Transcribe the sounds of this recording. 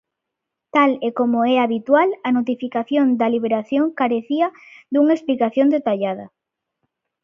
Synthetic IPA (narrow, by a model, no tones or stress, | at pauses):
t̪alekomoɛaβit̪walɐnot̪̬ifikaθjond̪ɐliβ̞eɾaθjoŋkaɾeθiɐd̪uŋaesplikaθjond̪et̪aʎað̞ɐ̰